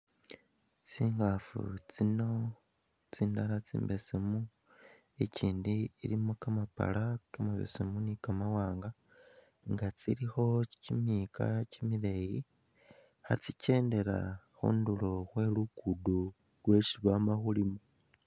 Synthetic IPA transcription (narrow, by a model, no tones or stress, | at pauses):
t͡siːŋɡafṵt͡sino̞ | t͡siːndaɾat͡sḭːmbe̞semu | e̞ciːndiiɾimukamapa̰lakamaβḛsemunikamawaːŋɡa | ŋɡat͡siɾixo̞cimika̰cimiɾe̞ji | xat͡sice̞ːnde̞ɾa̰ | xṵːndulo̞xwe̞lukudu | lwe̞ʃiβamaxulimu